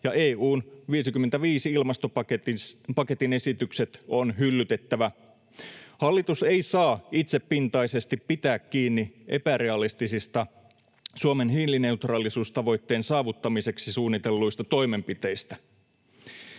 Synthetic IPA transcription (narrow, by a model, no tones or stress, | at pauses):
jɑʔeːuːnʋiːsikymːent̪æʋiːsiilmɑst̪opɑepɑke̞t̪ine̞sit̪ykse̞t̪onɦylːyt̪e̞t̪ːæʋæ | hɑlːit̪useijsɑːit̪seppint̪ɑjse̞st̪ippit̪æːkːiːnːiʔe̞̰pæɾe̞ɑlist̪isist̪ɑ | suome̞nɦiːlːine̞ut̪rɑːlisuːst̪ɑʋo̞jt̪ːeːnsɑːʋut̪ːɑmise̞ksisuːnːit̪e̞lːujst̪ɑt̪o̞jme̞mpit̪e̞ist̪æ